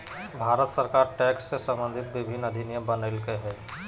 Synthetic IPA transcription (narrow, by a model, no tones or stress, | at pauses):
bʱaːɾət̪səɾkaːɾʈɛːksːesə̃mbə̃nd̪ʱɪt̪ʋɪbʱɪnːɐd̪ʱɪnijəbənelkeɦɛː